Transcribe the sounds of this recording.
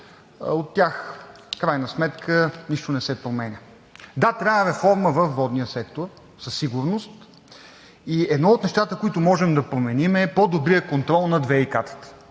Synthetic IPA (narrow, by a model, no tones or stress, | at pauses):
ot̪ːʲaxfkɾajnɐsmɛt̪kʰəniʃt̪onɛsɛpɾomɛnʲə | d̪at̪ɾʲavəɾɛfɔɾməvəfvɔd̪nijəsɛkt̪oɾ | səsːiɡʊɾnost̪ | iɛd̪nɔot̪nɛʃt̪at̪əkoit̪ʊmɔʒɛmd̪ɐpɾomɛnimɛpɔd̪obɾijəkont̪ɾɔlˠnɐd̪vɛikat̪ə̥t̪ə̥